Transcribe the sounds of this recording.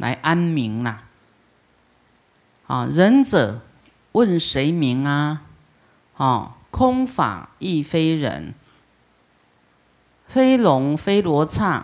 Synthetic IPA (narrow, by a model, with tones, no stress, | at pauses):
lʔa̰˨˧˦ɪʔa˦˥nmi˨˦ŋla˧ | hɔ̰˥˨˩ɻə˧˦nt͡sə˨˩ | wə˥˨nʂe˨˦ɪmi˨˥˦ŋa˧ | hɔ̰˥˨˩kʰʊ˦ŋfa̰˨˩i˥˩fe˦˥ɪɻə̰˧˦n | fe˦ɪlʊ˨˦ŋfe˥ɪlwɔ˧˥˦t͡sʰa˥˩